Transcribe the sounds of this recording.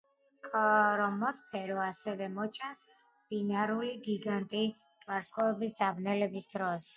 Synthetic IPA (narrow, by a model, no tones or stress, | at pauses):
kʼɔɾɔmɔspʰɛɾɔasɛvɛmɔt͡ʃʰɛns | b̥inaɾuliɡiɡant̪ʼi | vaɾsqʼɔɛbisd̪d̪abnɛlɛbisd̪ɾɔs